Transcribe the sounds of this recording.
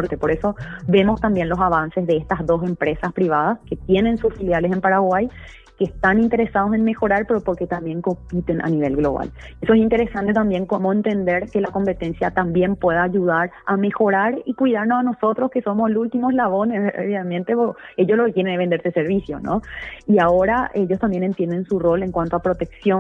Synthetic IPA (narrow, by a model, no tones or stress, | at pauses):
ɾt̪epoɾe̞so̞βe̞mo̞st̪ambjenlo̞saβansesðeest̪aɦðo̞s̬e̞mpɾe̞saspɾiβaðaske̞t̪je̞nẽ̞nsusfiljalesempaɾaɣwaj | keːst̪anint̪e̞ɾesað̞o̞se̞nme̞xo̞ɾaɾpe̞ɾopo̞ɾke̞t̪ambje̞ŋko̞mpit̪e̞nʔa̰niβ̞e̞̰lɣlo̞̰β̞a̰l | esoesint̪e̞ɾe̞sant̪e̞t̪ambje̞ŋkomoent̪e̞nd̪e̞ɾke̞lako̞mpe̞t̪e̞nsjat̪ambje̞mpwe̞ðaːʝuð̞aɾame̞xo̞ɾaɾikwiðaɾnosano̞so̞t̪ɾo̞ske̞so̞moslult̪imoslaβo̞neso̰βjamẽnt̪e̞poe̞ʝo̞sloket̪je̞ɾenβend̪eɾseseɾβisjo̞̰no̰iao̞ɾae̞ʝo̞st̪ambje̞ne̞nt̪je̞nd̪e̞nsuro̞le̞ŋkwant̪oapɾo̞t̪e̞ksjo